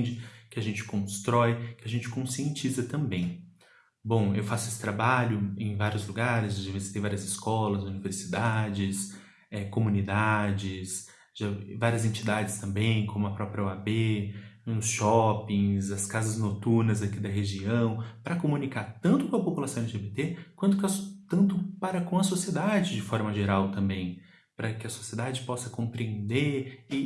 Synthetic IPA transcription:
d͡ʒɪkɪaʒẽnt͡ʃɪ̥kõst̪ɾɔjkɪɐʒẽnt͡ʃɪ̥kõsiẽt͡ʃizɐt̪ɐ̃bẽj̃ | bõw̃ewfasʊesɪ̥t̪ɾabaʎʊẽj̃vaɾjʊzluɡaɾɪzad͡ʒavizit̪ej̃vaɾiɐzɪskɔlɐzuniveɾsid̪ad͡ʒɪs | ɛkomunid̪ad͡ʒɪs | ʒ̥avaɾiɐzẽnt͡ʃid̪ad͡ʒɪst̪ɐ̃mbẽj̃kʰõmʊɐpɾɔpɾʲjɐoabe | ʊsʃɔpĩzɐskazɐznot̪uɾnɐzakid̪ɐɦeʒiɐ̃w̃pɾɐkomũnikaɾt̪ɐ̃nt̪ʊkõɐpopulasɐ̃elɪʒebet̪ekwɐ̃nt̪̬ʊkɪɐt̪ɐ̃nt̪ʊpaɾɐkõw̃ɐsosied̪ad͡ʒɪd͡ʒɪfɔɾmɐʒeɾawt̪ɐ̃mbẽj̃ | pɾɐkɪɐso̥sied̪ad͡ʒɪpɔsɐkõpɾiẽnd̪eɾɪ

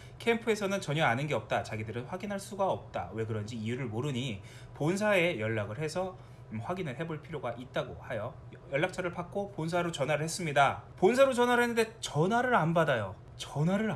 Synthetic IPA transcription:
kʰe̞mpʰɯe̞sʰʌnɯnt͡ɕʌɲʌanɯnɡeʌp̚t͈at͡ɕaɡidɯɾɯnɸwaɡinɦaɭs͈uɡaʌp̚t͈a̰we̞ɡɯɾʌnd͡ʑiːjuɾɯɭmoɾɯɲi | pons̬ʰae̞jʌɭːaɡɯɭhe̞sʰʌ | ɸwaɡinɯɭɦe̞boɭpʰiɾjoɡaʔit̚t͈aɡohajʌ | jʌɭːak̚t͡ɕʰaɾɯɭpʰak̚k͈opons̬ʰaɾot͡ɕʌnwaɾɯɭhes͈ɯmɲidaponsʰaɾot͡ɕʌnwaɾɯɦenːɯnde̞t͡ɕʌnwaɾɯɾanbadajo | t͡ɕʌnwaɾɯɾ

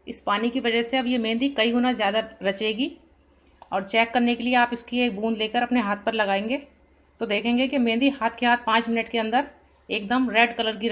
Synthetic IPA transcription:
ɪspaːnikiʋɐd͡ʒəseɐbjemẽːnd̪ikɐiɦunazjaːd̪aɾɐt͡ʃeːɡi | ɔːɾt͡ʃɛːkːɐɾnekelieaːpɪskieːk̚bũːnleːkəɾɐpneɦaːt̪ʰpɐɾlɐɡaːẽːŋɡeː | t̪oːd̪eːkʰẽːŋɡekemẽːnd̪iɦaːt̪ʰkebaːd̪̚pãːt͡ʃmɪnəʈkeɐ̃nd̪əɾ | eːk̚d̪əmɾɛːɖkɐləɾɡiɾ

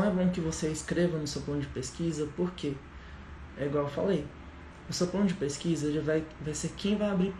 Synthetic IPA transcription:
ñw̃ɛbõw̃kɪvoseɪskɾevɐ̃nʊsewplɐ̃nʊd͡ʒɪpeskizɐpoɾke | ɛiɡwawewfa̰lej | ʊsewplɐ̃nʊd͡ʒɪpeskizɐlɪvajvajseɾkẽj̃vajabɾi

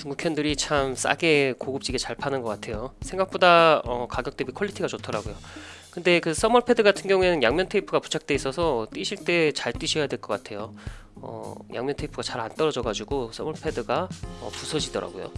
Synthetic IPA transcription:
tuŋɡukʰʌndɯɾit͡ɕʰams͈a̰ɡe̞koɡɯp̚t͡ɕ͈iɡet͡ɕaɭpʰanɯnɡʌk͈atʰe̞josʰe̞ŋɡak̚p͈odaʌkaɡjʌkt͈ebikʰʌʎːitʰiɡat͡ɕotʰʌɾaɡojokɯnde̞kɯs͈ʌmʌɭpʰe̞dɯɡatʰɯnɡjʌŋue̞nɯnjaŋmʲjʌntʰeipʰɯɡapu̥t͡ɕʰak̚t͈e̞is͈ʌsʰʌt͈iɕʰiɭt͈e̞t͡ɕaɭt͈iɕʰʌjadweɭk͈ʌk͈atʰe̞joʌ̰jʔa̰ŋmjʌntʰeipʰɯɡat͡ɕaɾant͈ʌɾʌd͡ʑʌɡad͡ʑuɡos͈ʌmʌɭpʰe̞dɯɡaʌ̰pusʰʌd͡ʑidʌɾa̰ɡo̰jo̰

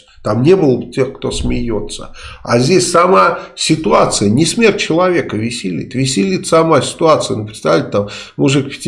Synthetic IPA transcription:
t̪amnʲe̞bɨlˠəbtʲexkt̪o̞smʲɪjo̞t̪sə̰a̰zʲdʲesʲsɐmasʲɪt̪ʊat̪sɨjənʲɪsmʲert̚ʲt͡ɕːɪlˠɐvʲe̞kəvʲɪsʲɪlʲḭt̪vʲɪsʲɪlʲit̪sɐmasʲɪ̥t̪ʊat̪sɨjənʊpɾʲɪ̥t̪st̪aɐvʲtʲɪt̪ammʊʐɨkpʲɪ̥tʲ

